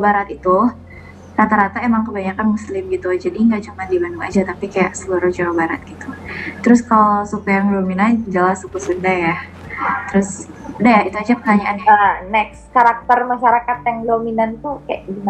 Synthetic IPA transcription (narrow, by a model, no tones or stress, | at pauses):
baɾat̪it̪u | rat̪aɾat̪aemaŋkəbaɲakanmuslɪmɡit̪ud͡ʒadiŋɡaʔt͡ʃumandibanduŋa̰d͡ʒat̪apikajaʔsəluɾʊhd͡ʒaɾobaɾa̰t̪̚ɡ̥it̪ut̪əɾʊskalasukujaŋdominad͡ʒalasukusundaja | t̪əɾʊsudajait̪uad͡ʒapəkaɲaʔananɛkskaɾak̚t̪ərmaʃaɾakat̪̚jaŋdominant̪uhka̰jaʔɡima